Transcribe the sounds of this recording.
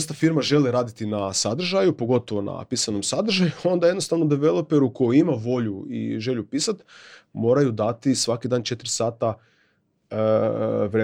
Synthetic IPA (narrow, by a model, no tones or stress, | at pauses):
st̪afiɾmaʒe̞liɾaːd̪it̪inasad̪r̩ʒajupo̞ɡo̞t̪oʋo̞na̰piːsano̞msad̪r̩ʒajuo̞nd̪ajed̪nost̪aʋnod̪eʋe̞lˠo̞pe̞ɾuko̞jiimaʋo̞ʎuḭʒe̞ʎupiːsat̪mo̞ːɾajud̪at̪isʋakid̪aːnt͡ʃe̞t̪ɾisaːt̪a | ʋɾe